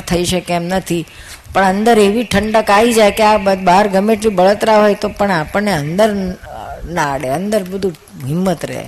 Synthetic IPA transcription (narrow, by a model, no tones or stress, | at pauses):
t̪ʰəiʃəkeɛmnət̪ʰi | pəɳənd̪əɾeʋiʈʰəɳɖəkaʋid͡ʒajkeabəbaɾɡʱəmeʈlibəɭət̪ɾaɦojt̪opəɳapəɳːeənd̪əɾ | naːɽeənd̪əɾbəd̪ʱũ | ɦɪmːət̪ɾḛɦ